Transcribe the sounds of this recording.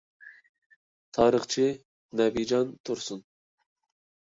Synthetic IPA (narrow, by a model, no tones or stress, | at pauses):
t̪ʰɑːɾiχt͡ʃʰi | nabid͡ʒɑnt̪uɾsun